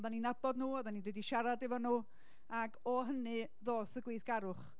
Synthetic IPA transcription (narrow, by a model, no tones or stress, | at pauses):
ðaninabɔdnuːɔðanindwədiʃaɾadɪvɔnuː | aɡɔɦənɨ | ðoːθəɡwejθɡ̥aɾʊχ